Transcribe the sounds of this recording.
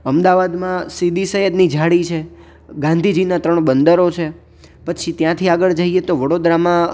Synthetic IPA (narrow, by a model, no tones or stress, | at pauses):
əmd̪aʋad̪mãsid̪isəɦəd̪nid͡ʒʱaɽit͡ʃʰe | ɡãnd̪ʱid͡ʒinat̪ɾəɳ̃bənd̪əɾot͡ʃʰe | pət͡ʃʰit̪jãt̪ʰiaɡəɭd͡ʒaɦiet̪oʋəɽod̪ɾamã